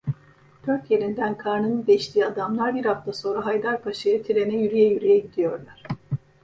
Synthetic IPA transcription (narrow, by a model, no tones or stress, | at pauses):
b̪̥ʰøɾt̪je̞ɾind̪ænkʰaɾnɯnɯd̪ejiʃt̪ʰiːad̪amlˠaɾbiɾhaft̪ʰaso̞nɾaɦajd̪aɾpʰaʃɯjɯt̪ʰiɾe̞nɛjyɾyjɛjyɾijɛɟid̪ijoɾlˠaɾ̥